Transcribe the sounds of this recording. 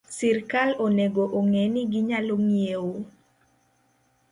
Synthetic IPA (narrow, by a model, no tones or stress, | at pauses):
sirkaloneɡoʔoŋɛnɪɡɪɲaloŋiewo